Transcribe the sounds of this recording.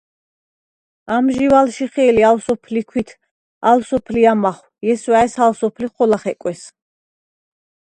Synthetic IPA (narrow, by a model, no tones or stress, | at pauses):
amʒivalʃiχɛːlialsɔpʰlikʰwit̪ʰ | alsɔpʰliamaχwjɛswaɛsalsɔpʰliχɔlaχɛkʼwɛs